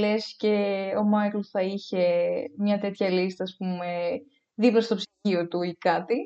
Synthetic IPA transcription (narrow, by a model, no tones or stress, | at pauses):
le̞sce̞o̞mɐkloθɐiçe̞mɲɐt̪e̞t̪çɐlist̪ɐːspume̞ | ðipɾɐst̪o̞psi̥io̞t̪ukɐt̪i